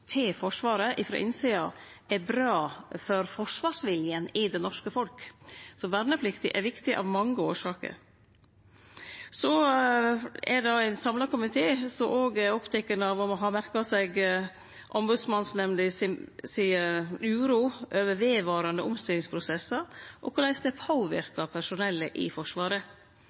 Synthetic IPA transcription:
t̪ʰɪlfɔʂʋɑːɾəʔɪfɾɑ̰ʔɪnsiːɑ | ɛɾbɾɑːfɔɾfɔʂʋɑːʂʋɪljənɪd̪ɛnɔʂkəfɔlksɔʋæɾnəpʰlɪkt̪ɪʔɛɾʋɪkt̪ɪʔɑ̰ʋmɑŋːəoːʂɑːkə̰ɾ | sɔ | ɛdɑæɪnsɑmlɑɾkʊmɪt̪ʰeːsɔmʔoːɡæɾɔpt̪ʰɛkːənəɑʋɑmɔɦɑmæɾkɑsɛɡ | ʔɔmbʉd̪smɑnsnɛmnlɪssiːəʉːɾuːʔøːʋəʋeːʋɑːɾɑnd̪əɔmst̪ɪlːɪŋspʰɾʊsɛsɑʔɔ̰kʰʊlæɪsd̪ɛpʰoːʋɪɾkɑpʰæʂʊnɛlːəʔɪfɔʂʋɑːɾə

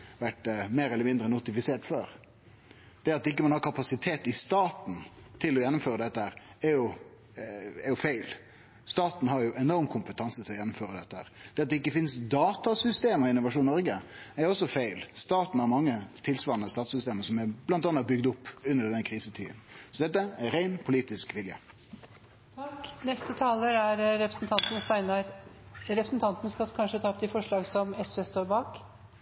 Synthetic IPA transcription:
ʋæʈmeːɾɛlːəmɪnd̪ɾənʊt̪ɪfɪseːʈføːɾ | d̪̥ɛɑt̪d̪ɛɪkːəmɑnhɑːɾkʰɑpɑsɪt̪ʰeːt̪ɪst̪ɑːt̪n̩t̪ʰɪlːɔjɛnːʊmføːɾəd̪ɛt̪ːəhæːɾɛɾjʊ | ɛɾjʊfæɪl | st̪ɑːt̪n̩hɑɾjʊʔɛnɔɾmkʰʊmpət̪ʰɑnsət̪ʰɪlɔjɛnːʊmføːɾəd̪ɛt̪ːəhæ̰ːɾd̪̥ɛɑt̪d̪ɛɪkːəfɪnsd̪ɑːt̪ɑsʏst̪eːmɔɪnːʊʋɑʂuːnnɔɾɡə | æɾɔsɔfæɪlst̪ɑːt̪n̩æɾmɑŋːət̪ʰɪlsʋɑːɾnəst̪ɑːt̪sʏst̪eːməsɔmɛblɑnt̪ɑnːəbʏɡd̪ʊpːʉnːəɖɛnəkʰɾiːsət̪ʰḭːd̪ənsɔd̪ɛt̪ːəæɾæɪnpʰʊliːt̪ɪskʋɪljə̰ | knɛst̪ət̪ʰɑːləɾæɾɾɛpɾə̥sn̩t̪ʰɑnt̪nst̪æɪnɑɾɾɛpɾsnt̪ʰɑnt̪nəskɑkʰɑnʂət̪ʰɑːp̚d̪ɛfɔʂɭɑːɡsɔmɛsʋest̪oːɾbɑːk

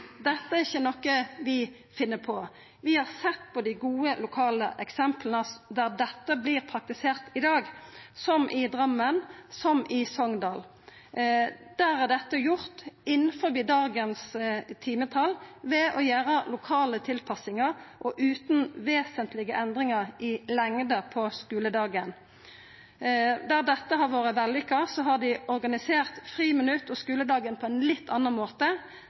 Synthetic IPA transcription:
d̪ɛt̪ːəæʁɪçːənɔkːəʋɪ | fɪnːəpʰɔ | ʋɪhɑʁsɛt̪ːpɔd̪ɪɡuːəlʊkʰɑːləʔɛksɛmplənəd̪æʁd̪ɛt̪ːəbliːʁpʰʁɑk̚t̪ɪseːʁt̪ɪd̪ɑːɡsɔmʔɪd̪ʁɑmːənsɔmʔɪsɔŋd̪ɑːl | d̪̥æːʁæʁd̪ɛt̪ːəjʊʁt̪ɪnːəfɔɾbiːd̪ɑːɡənst̪ʰiːmət̪ʰɑlʋɛʔɔjæːɾəlʊkʰɑːlət̪ʰɪlpʰɑsɪŋəʁʔɔʔʉːt̪nʋeːsənt̪ʰlɪɡəʔɛnd̪ʁɪŋəʁɪlɛŋd̪əpʰɔskʉːləd̪ɑːɡən | d̪æʁd̪ɛt̪ːəɦɑʁʋoːʁəʋɛlːʏkːəsɔɦɑd̪ɪɔɾɡɑnɪseːʁt̪fʁiːmənʉt̪ːɔskʉːləd̪ɑːɡənpʰɔɛnlɪt̪ʰːɑnːɑnmoːt̪ə

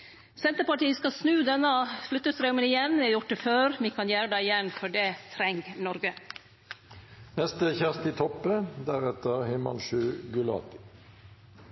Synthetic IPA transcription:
sɛnt̪əɾpɑʈiːəskɑsnʉːd̪ɛnːəflʉt̪ːəsɾœʊmənɪjɛnːʋɪɑɾjʊʈ̚d̪əføːɾmikʰɑnjæːɾəd̪æɪɪjɛnːfɔɖɛt̪ʰɾɛŋɡnɔɾɡə | nɛst̪əçæʁst̪ɪt̪ʰɔpːəd̪æʁɛt̪əʁhɛmɑ̰nʃʉːɡʉlɑ̰ːt̪ɪ̥

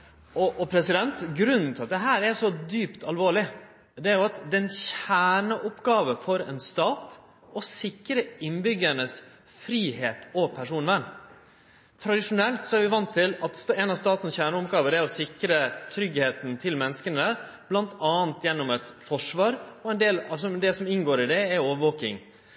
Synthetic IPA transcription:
ɔʔɔpʰɾɛsɪd̪ɛnt̪ɡɾʉnn̩t̪ɪɑt̪̚d̪ɛɦæːɾɛʂɔd̪yːpt̪ʰɑlʋoːɭɪ | d̪ɛæɾjʊɑt̪d̪ɛnçæːɳəʔɔpɡɑːʋəfɔɾɛ̰ːnst̪ɑːt̪ | ɔsɪkɾəɪnbʏɡəɳəs | fɾiːheːt̪ɔpʰæʂuːnʋæɳ | t̪ʰɾɑd̪ɪʂʊnɛlt̪sɔæɾʋɪʋɑnt̪ʰːɪlɑt̪sɛːnɑst̪ɑːt̪nəsçæːɳəɔpɡɑːʋəd̪æɾɔsɪkɾət̪ʰɾʏɡheːt̪n̩t̪ʰɪlmɛnːəskənə | b̥lɑnt̪ʰɑːnt̪jɛnːɔmɛt̪fɔʂʋɑːɾɔɛnd̪eːlɑsɔmd̪ɛsɔmɪŋɡoːɾɪd̪ɛæoːʋəʋoːkɪ̰ŋ

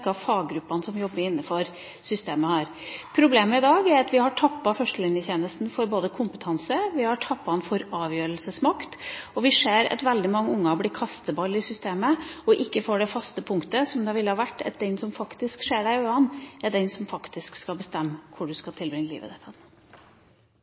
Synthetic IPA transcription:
kːɑʋfɑːɡɡɾʉpːɑnəsɔmjɔbːəɾɪnːəfɔɾ | sʏst̪eːməhɑːɾ | pʰɾʊbleːməɪd̪ɑːɡæɾɑt̪ʋɪhɑʈʰɑpːɑfœʂʈəlɪnjəçeːnəst̪n̩fɔɾboːd̪əkʰʊmpət̪ʰɑnsəʋɪhɑʈʰɑpːɑnfɔɾɑːʋjøːɾəlsəsmɑkt̪ɔʋɪʂeːɾɑ̰t̪ʋɛld̪ɪmɑŋːəʊŋːəhɑblɪːkʰɑst̪əbɑlɪsʏst̪eːməɔʔɪkːəfoːɖɛfɑst̪əpʰʊŋkt̪əsɔmd̪ɑʋɪlːəhɑʋæʈːɛt̪̚d̪ɛnsɔmfɑkt̪ɪskʂeːɖæɾøɑnːɛɖ̪ɛnsɔmfɑkt̪ɪskskɑlbəst̪ɛmːkʰʊɖʉskɑt̪ʰɪlbɾɪŋːəlḭːʋə̰d̪ɛt̪ʰɑn

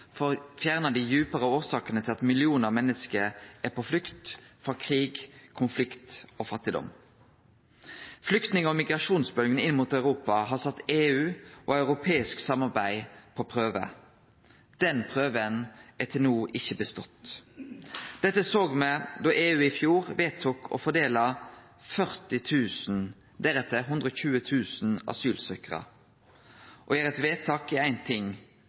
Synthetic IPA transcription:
fɔɾfjæːʁnəd̪ɪjʉːpəʁəoːsɑːkənət̪ʰɪlɑt̪mɪlɪuːnəɑmɛnːəskəɾʔæpʰɔflʏkt̪fɔkʰʁiːɡkʰʊnflɪkt̪ofɑt̪ːɪd̪ɔ̰m | flʏkt̪nɪŋɔmɪɡʁɑʂuːnsbœlɡənɪnːmuːt̪ɑʉʁuːpɑɦɑsɑt̪ːeːʉːʔɔɑʉɾʊpʰeːɪsksɑmːɑʁbæɪpʰɔpʰʁøːʋə̰ | d̪̥ɛnpʰʁøːʋənæt̪ʰɪlnuːʔɪçəbəst̪ɔt̪ | d̪̥ɛt̪ːəsoːɡmɛd̪ɔʔeːʉːɪfjuːʁʋeːt̪ʰukʰɔ̰fɔd̪eːlɑ | fœʁt̪ɪt̪ʰʉːsn̩ | d̪æɾɛt̪ʰːəɦʉnd̪ʁəɔçʉːət̪ʰʉːsn̩ɑ̰syːlsœkʁə̰ | ʔɔæːɾɛt̪ʋeːt̪ʰɑːkɪæɪnt̪ʰɪŋ

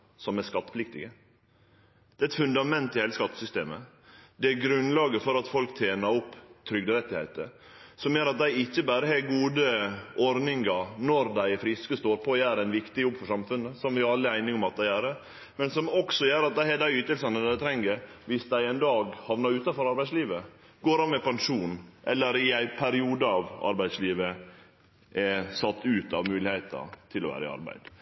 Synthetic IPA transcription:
sɔmæskɑt̪ːə̥flɪkt̪ɪɡə | d̪̥ɛːɛt̪fʉnd̪ɑmɛnt̪ːɪhɛləskɑt̪ːə̥sʏst̪ḛːmə̰ | d̪ɛæɡɾʉnlɑːɡəfɔɾɑt̪fɔlkt̪ʰjeːnəɾɔpːt̪ʰɾʏɡd̪əɾɛt̪ːɪhæ̰ɪt̪ə̰ | sɔmjøːɾɑt̪̚d̪æɪɪçːəbæːɾəhɛɡuːd̪əʔɔɾnɪŋɑɾnɔɾd̪æɪfɾɪskəst̪oːɾpʰɔjæːɾɛɪnʋɪkt̪ɪjɔbːfɔʂɑmfʉnːəsɔmʋɪɾɑlːəæɪnɪŋɔmɑt̪̚d̪æɪæːɾə | mɛnsɔmɔksɔjøːɾɑt̪̚d̪æɪɛd̪æɪyːt̪əlsɑnəd̪d̪æɪt̪ʰɾɛŋːəɾʋɪsd̪æɪɛnd̪ɑːɡhɑʋnɑɾʉːt̪ɑnfɔɾɑɾbæɪsliːʋə | ɡoːɾɑnmɛpɑnʂuːnʔɛ̰lːəɾɪæɪpʰæɾɪuːd̪əɑːʋɑ̰ɾbæɪd̪sliːʋə | ʔɛsɑt̪ːʉːt̪ɑ̰ʋmʉːlɪhɛɪt̪ɑ̰t̪ʰɪlɔ̰ʋæ̰ːɾəɪ̰ɑ̰ɾbæ̰ɪd̪̥

